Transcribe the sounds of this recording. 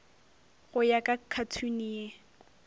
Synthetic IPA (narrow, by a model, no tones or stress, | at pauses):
ɣʊjakʼakʰatʰunije